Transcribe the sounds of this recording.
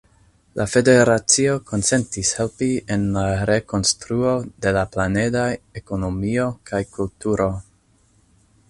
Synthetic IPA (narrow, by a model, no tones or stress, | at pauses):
lʔafe̞de̞ɾat͡sioko̞nt͡se̞ntishe̞lpienlaɾe̞ko̞nstɾuo̞de̞laplane̞daeko̞no̞mio̞kajkultuɾo̞